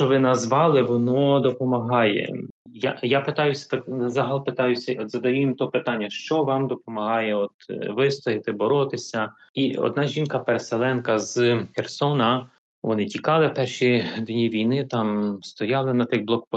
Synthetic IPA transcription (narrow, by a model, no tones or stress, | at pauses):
t͡ʃɔʋɪnɐzʋɑlˠɪʋɔnɔd̪ɔpɔmɐɦɑjɛ̰ | ja̰japɪt̪ɑjʊsʲɐ̥pɪzɑɦɐlˠpɪt̪ɑjʊsʲɐɔt̪zɐd̪ɐjujimt̪ɔpɪt̪ɑnʲːɐʃt͡ʃɔʋɑmd̪ɔpɔmɐɦɑjɛɔt̪ʋɪst̪ɔɦɪt̪ɪbɔɾɔt̪ɪsʲɐ | iɔ̰d̪nɑʒʲinkɐpeɾeselˠɛnkɐzxersɔnɐ | ʋɔnɪtʲikɑlˠɪpɛrʃid̪nʲiʋʲijnɪt̪ɑmst̪ɔjɑlˠɪnɐt̪ɪkblˠɔk̚p